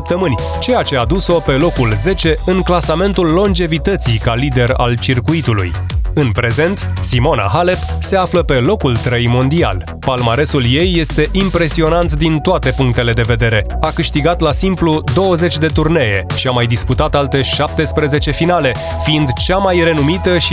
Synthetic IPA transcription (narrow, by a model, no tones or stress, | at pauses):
p̚t̪əmɨnʲ | t͡ʃe̞jat͡ʃe̞ad̪uso̞pe̞lo̞kulze̞t͡ʃe̞ɨŋklasame̞nt̪ulːo̞nd͡ʒe̞vit̪ət̪sikalid̪e̞ɾa̰lt͡ʃirkuit̪ulṵj | ɨnpɾe̞ze̞nt̪ | simo̞na̰ɦalepse̞afləpe̞lo̞kult̪ɾəjmo̞nd̪ia̰l | palmaɾe̞sulje̞jːe̞st̪e̞ʔimpɾe̞sio̞nant̪d̪int̪oat̪e̞puŋk̚t̪e̞le̞d̪e̞ve̞d̪e̞ɾe̞akɨʃt̪iɡat̪lasimplud̪o̞wəze̞t͡ʃʲd̪e̞t̪urne̞je̞ʃiamajd̪isput̪at̪alt̪e̞ʃap̚t̪e̞spɾe̞ze̞t͡ʃe̞finale̞ | fiind̪t͡ʃamajre̞numit̪əʃ